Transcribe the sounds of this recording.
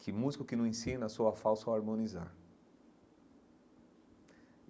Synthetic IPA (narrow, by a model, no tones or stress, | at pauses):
kʰɪmuzikʊkɪnɐ̃ẽsĩnɐsowɐfawsɐaɾmõniza̰ɾ